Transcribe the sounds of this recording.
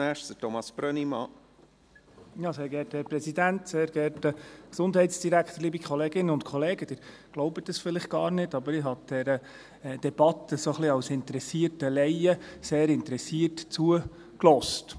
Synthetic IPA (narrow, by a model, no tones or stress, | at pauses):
ɛʃtdətɔmɑsb̥ɾœnimɑ | jɑseːɡɛthɛːɾpɾɛsidænt̪seːɾɡ̥ɛɾtəksʊnd̪ɦɛɪtsd̥iɾæktəɾliːbikʰχɔleːɡɪnːəʊntkʰɔleːɡəd̥ɪːɾ | ɡ̥loʊbətːəsfɪlɪχ̚ɡ̥ɑːɾnɪtɑbəɾɪɦɑd̪̥ɛɾə | d̥ɛb̥ɑt̪ːəsoχliɑwsɪnt̪əɾɛsiərtəlɛɪəseːɾɪnt̪əɾɛsiːətt͡suə | klɔst